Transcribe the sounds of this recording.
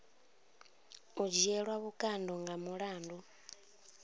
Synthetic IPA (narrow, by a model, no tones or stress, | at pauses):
ud͡ʒiɛɺwaβukʼandɔŋɡamuɺaːndu